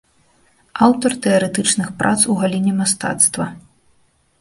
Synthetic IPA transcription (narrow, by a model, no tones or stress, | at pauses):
awt̪ɔrt̪ɛɐɾɛt̪ɨt͡ʂnɨxpɾʔa̰t̪suɣalʲinʲɛmast̪a̰t̪st̪vɐ